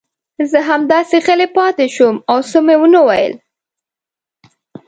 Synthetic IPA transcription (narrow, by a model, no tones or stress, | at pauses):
zəɦamd̪ɑseɣəlepɑt̪eʃumawsomewənəwajə̰l